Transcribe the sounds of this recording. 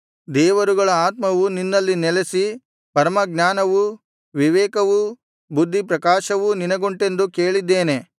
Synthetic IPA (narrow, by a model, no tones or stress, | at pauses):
d̪ɛːʋɐɾuɡɐɭɐaːt̪mɐʋuninːɐlːinɛlesi | pɐɾmɐɡɲaːnɐʋu | ʋiʋɛːkɐʋu | bud̪ʱːipɾɐkaːʃɐʋuninɐɡoɳʈe̞nd̪ukeːɭid̪ːeːne̞